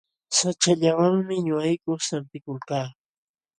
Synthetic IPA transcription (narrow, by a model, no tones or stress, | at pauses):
sat͡ʃaʎawaŋmɪɲʊajkoχsamp̪ɪkʊlkaː